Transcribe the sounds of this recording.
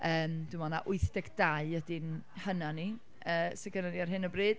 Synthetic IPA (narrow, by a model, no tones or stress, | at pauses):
əːmdumɔnaʔʊɨθd̥ɛɡd̥aɨədɪnhənani | əːsɛkənaniarɦɪnəbriːd̥